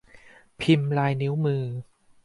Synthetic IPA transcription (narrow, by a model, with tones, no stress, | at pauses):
pʰi˧mlaː˧jni˦˥wmɯː˧